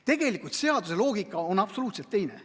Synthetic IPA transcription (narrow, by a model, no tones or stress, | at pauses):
t̪e̞ɡ̥e̞likˑult̪se̞ɑd̪use̞lo̞ːɡ̥ikːˑɑonɑpso̞luːt̪se̞lt̪ːe̞jnḛ